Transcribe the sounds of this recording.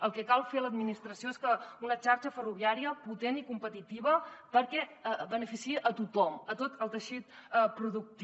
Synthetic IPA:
əlˠkɛkalˠfeləd̪minist̪ɾəsijoeskəunət͡ʃaɾt͡ʃəfəruβiaɾiəput̪enikumpət̪it̪iβəpəɾkɛbənəfisiʔət̪ut̪ɔmət̪ot̪əlˠt̪əʃit̪̚pɾuðuk̚t̪

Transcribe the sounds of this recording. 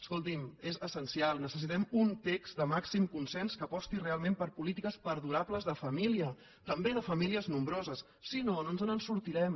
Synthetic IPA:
əskolˠt̪imezəsənsialˠnəsəs̬it̪ɛmunt̪ekzd̪əmaksimkunsɛnskəpɔst̪irealˠmẽmpəɾpulit̪ikəspəɾðuɾapləzðəfəmiliə | t̪əmbeðəfəmiliəznumbɾozəsːinononzənənsuɾt̪iɾɛm

